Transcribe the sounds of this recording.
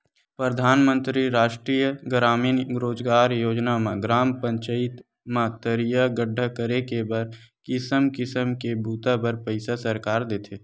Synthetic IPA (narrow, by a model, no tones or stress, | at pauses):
pɾəd̪ʱaːnmə̃nt̪ɾiɾaːʃʈɾiːjəɡɾaːmiːnɾoːd͡ʒɡaːɾjoːd͡ʒnamãɡɾaːmpə̃ɲt͡ʃəɪt̪ | mãt̪əɾijaɡəɖʱːəkəɾekebəɾkɪsəmkɪsəmkebʱuːt̪abəɾpəɪsasəɾkaːɾd̪eːt̪ʰeː